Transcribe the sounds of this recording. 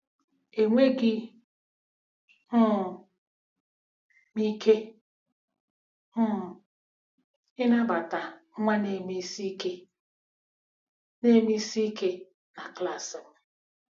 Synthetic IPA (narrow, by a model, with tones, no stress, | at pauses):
e˨ŋʷe˦ɡɪ˦˨ | mi˦ke˦˨ | ɪ˦na˦ba˨ta˨˦ŋʷa˦ne˨mi˦si˦ke˦ | ne˦mi˦si˦ke˦ | na˨kla˨sɪ˨m˨